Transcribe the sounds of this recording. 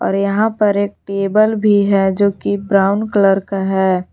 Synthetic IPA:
ɔ̰ːɾjɐɦãpɐɾeːk̚ʈeːbəlbʱiɦɛd͡ʒoːkibɾaːʊnkləɾkaɦɛː

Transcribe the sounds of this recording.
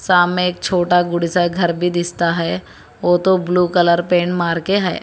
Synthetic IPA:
saːmeeːk̚t͡ʃʰoːʈaɡʊɽisaɡʱɐɾbʱid̪ɪst̪aɦɛ | ʋoːt̪obluːkələɾpẽːɳmaːɾkeɦɛ̰ː

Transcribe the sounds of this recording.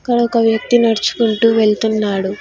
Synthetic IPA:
kːɐɽɐɔkɐʋjɐk̚t̪inɐɽɐt͡ʃu̥kuɳʈuːʋe̞ɭt̪unːaːɽu

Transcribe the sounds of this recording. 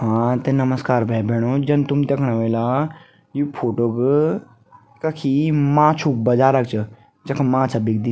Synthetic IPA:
ɦãːt̪enɐməskaːɾbʱɛjbʱɛːɽ̃od͡ʒɐnt̪umt̪ekʰɽ̃aʋeːla | jupʰoːʈoːk | kɐkʰimãːt͡ʃʰuk̚bɐd͡ʒaːɾɐk̚t͡ʃʰɨ | d͡ʒɐkʰmãːsʰɐbik̚d̪i

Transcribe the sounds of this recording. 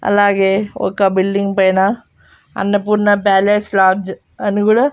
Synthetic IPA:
ɐ̰lːaːɡeːɔ̰kːɐbilɖiŋɡpɐjnɐ | ɐ̰nːɐpuːɾnɐbaːleːslaːd͡ʒ | ɐnuɡuɽɐ

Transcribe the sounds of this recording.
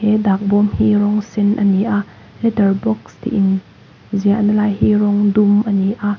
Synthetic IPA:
hɛd̪aːk̚bɔmhiɾɔŋsɛnʔɐniʔaʔ | lɛtərbɔkst̪ḭʔɪn | ziaʔnɐlaːjhiɾɔŋd̪umʔəniʔaʔ

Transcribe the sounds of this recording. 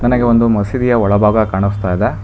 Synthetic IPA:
nɐnɐɡeond̪umɐsid̪ijɐɔɭɐbʱaːɡɐkaːɳust̪aːjd̪e

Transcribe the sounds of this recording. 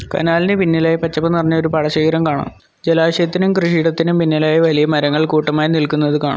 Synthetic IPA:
kɐ̰naːlinɨpinːɐlaːjɐpɐt͡ɕːɐpːɐnɐrɐɲːɐo̞ɾupɐɽɐɕeːjɾɐmkaːɳa̰ːm | d͡ʑelaːɕɐjɐt̪ːinumkrɨʂiːɽɐt̪ːinumpinːɐlaːjɐʋɐlijɐmɐɾɐŋːɐɭkuːʈːɐmaːjinilkunːɐðɨkaːɳɐ̰m

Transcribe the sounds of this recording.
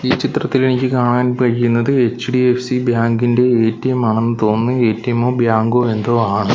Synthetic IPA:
iːt͡ɕit̪rɐt̪ːile̞nikʲːɨkaːɳaːnpɐɻikːunːɐðɨe̞t͡ɕːɖiefsibjaːŋɡinde̞eːtːɐjɐmaːɳɐenːɨt̪o̞ːnːɨe̞ːtːɐjɐmoːbjaːŋɡoːe̞nd̪o̞ːaːɳɨ

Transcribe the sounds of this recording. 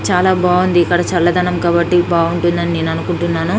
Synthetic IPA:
t͡ʃaːlaːbaːund̪iːkːɐɽɐt͡ʃɐlːɐd̪ʱɐnɐmkaːbɐʈːibaːuɳʈund̪ɐnineːnɐnukuɳʈunːaːnu

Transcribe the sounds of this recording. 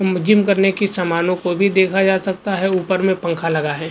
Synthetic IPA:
mʊd͡ʒɪmkɐɾnekisaːmaːnõkobʱid̪eːkʰad͡ʒaːsɐk̚t̪aɦɛuːpəɾmẽpɐ̃ŋkʰalɐɡaɦɛː

